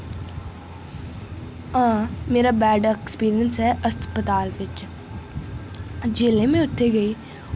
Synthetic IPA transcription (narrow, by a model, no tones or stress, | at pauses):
ãːmeːɾabɛːɖekspiːɾijə̃nsɦɛɐspət̪aːlʋɪt͡ʃ | d͡ʒeːlẽmẽʊʈ̪ʰːeɡɐiː